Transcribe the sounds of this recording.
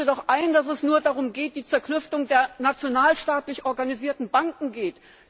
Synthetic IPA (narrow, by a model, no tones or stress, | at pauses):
ədɔχʔaɪndas̬ɛsnuːɐdaʁʊmɡeːt̚d̥iːt͡sɛɐklʏftʊŋdeːɐnat͡sjonaːlʃtaːtlɪçʔɔɐɡaniziːɐtn̩baŋkŋ̩ɡeːt